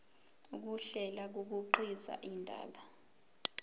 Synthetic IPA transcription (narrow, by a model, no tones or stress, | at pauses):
uk̬uɬɛlak̬uk̬uǃiza̰ʔindʱa̰ːɓa